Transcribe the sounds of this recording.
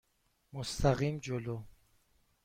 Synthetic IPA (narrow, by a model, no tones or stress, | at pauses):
most̪ʰaɣimd͡ʒolo